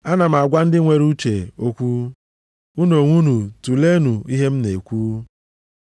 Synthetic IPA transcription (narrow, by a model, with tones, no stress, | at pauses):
a˦na˨m̩˨a˨ɡʷa˦n̩˦dɪ˦ŋʷe˨ɾu˦t͡ʃe˨o˦kʷu˦ | u˦no˨ŋʷu˦nu˨tu˨le˦nu˨i˦ɦe˦m̩˦ne˨kʷuː˦